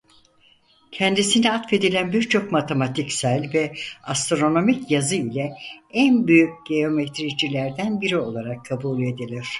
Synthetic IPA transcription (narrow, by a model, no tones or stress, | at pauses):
cʰɛnd̪isiniat̪fe̞d̪ilʲænbiɾt͡ʃʰo̞kmat̪ʰemat̪ʰicsælʲvɛast̪ɾo̞no̞micjazɯilʲɛænbyjyc̚ɟe̞o̞met̪ʰɾid͡ʒilʲæɾd̪ænbiɾio̞lˠaɾakʰːabuːlʲe̞d̪ilʲiɾ̝̥